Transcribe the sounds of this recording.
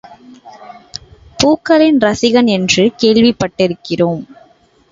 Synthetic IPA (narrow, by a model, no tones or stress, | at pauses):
puːkːɐlɪnɾɐsɪɣɐnɛndrɯkeːɻʋɪpːɐʈːɪɾɯkːɪroːm